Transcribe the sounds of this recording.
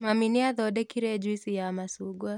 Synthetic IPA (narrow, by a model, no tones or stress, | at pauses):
maminiaðɔɗɛkiɾɛd͡ʒwisijamasuɡwa